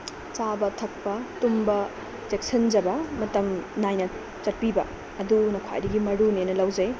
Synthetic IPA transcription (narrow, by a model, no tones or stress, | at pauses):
t͡ʃabɐtʰɐk̚pɐtumbɐ | tek̚sɐnd͡ʒɐbɐmɐtɐmnajnɐ | t͡ʃɐt̚pibɐ̰ | ɐdunɐkʰa̰jdɐɡimɐɾunenɐlɐwd͡ʒɐj